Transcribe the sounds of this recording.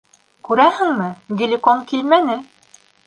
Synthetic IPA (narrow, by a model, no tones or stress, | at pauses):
kʉɾæhɘ̆ŋmɘɡilʲikoŋkilmænɘ